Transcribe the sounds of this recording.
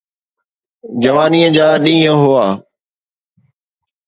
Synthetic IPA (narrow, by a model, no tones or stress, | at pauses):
d͡ʑəʋaːniːəd͡ʑaːɗĩːɦə̃ɦʊaː